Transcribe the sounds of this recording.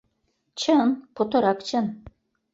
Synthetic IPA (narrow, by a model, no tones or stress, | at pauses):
t͡ɕʰənpot̪ŏɾɑkt͡ɕʰɤ̆n